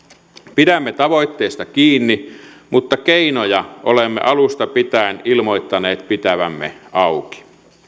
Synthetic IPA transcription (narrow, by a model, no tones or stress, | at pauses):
piɾæmːet̪ɑʋo̞jt̪ːeːst̪ɑkiːnːimut̪ːɑkeinojɑʔolemːḛʔɑlust̪ɑpit̪æenilmo̞it̪ːɑneːt̪pit̪æʋæ̰mːḛɑuki̥